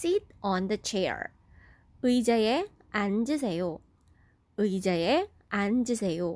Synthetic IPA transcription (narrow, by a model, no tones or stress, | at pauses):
sit̚ʰɔnd̪ət͡ɕʰḛɹ | ɯjd͡ʑae | and͡ʑɯs̬ʰe̞jo | ɯid͡ʑaje | and͡ʑɯsʰe̞jo